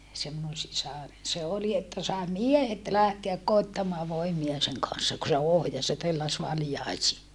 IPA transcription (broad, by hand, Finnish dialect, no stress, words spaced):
se minun sisɑren se oli etːæ sɑˑe miehet læhteæk koitːɑmɑː ʋoimiɑ seŋ kɑn̞sːɑ ku se ohjɑs jɑ telːæs ʋɑljɑisiː